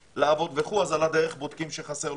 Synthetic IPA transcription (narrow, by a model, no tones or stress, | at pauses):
laːvo̞d̪veχuazalad̪eʁeχbod̪kimʃeχaseʁ